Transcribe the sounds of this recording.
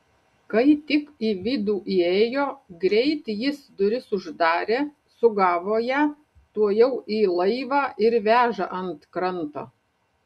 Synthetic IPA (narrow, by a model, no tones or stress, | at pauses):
kɐɪt̪ʲɪkiːʋʲɪd̪uːʔiːeːjoːɡɾʲɛɪt̪jɪsd̪ʊɾʲɪsʊʒd̪ɑːɾʲeː | sʊɡɑːʋoːjæ | t̪uɔjɛʊʔiːlˠɐɪʋɑːʔɪɾʋʲæːʒɐʔɐnt̪kɾɐnt̪o̰ː